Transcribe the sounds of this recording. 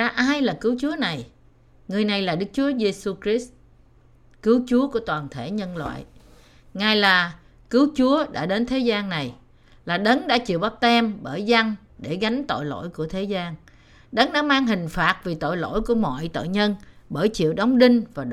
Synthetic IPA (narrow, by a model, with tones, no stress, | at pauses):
aː˧ʔaː˧jlaː˨˩kɨ˨˦wt͡ɕu˨˦əna˨˩j | ŋɨ˨˩əjna˨˩jlaː˨˩ɗɨ˦˥k̚t͡ɕu˨˦əze˧su˧kɾi˦˥s̚ | kɨ˨˦wt͡ɕu˨˦əku˧˩ət̪waː˨˩nt̪ʰe˧˩ɲə˧nlwa̰ː˧˨j | ŋaː˨˩jlaː˨˩ | kɨ˨˦wt͡ɕu˨˦əɗa̰ː˧˥ɗe˨˦nt̪ʰe˨˦zaː˧nna˨˩j | laː˨˩ɗə˨˦nɗa̰ː˧˥t͡ɕḭ˧˨əwɓa˦˥p̚t̪ɛ˧mɓəː˧˩jza˧ŋ | ɗe˧˩ɣa˨˦jŋ̟t̪o̰˧˨jlo̰˧˥˨jku˧˩ət̪ʰe˨˦zaː˧ŋ | ɗə˨˦ŋɗa̰ː˧˥maː˧ŋɦï˨˩ŋ̟faː˨˩t̚vi˨˩t̪o̰˧˨jlo̰˧˥jku˧˩əmɔ̰˧˨jt̪o̰˧˨jɲə˧nɓəː˧˩jt͡ɕḭ˧˨əwɗa˨˦wŋ͡mɗï˧ŋ̟vaː˨˩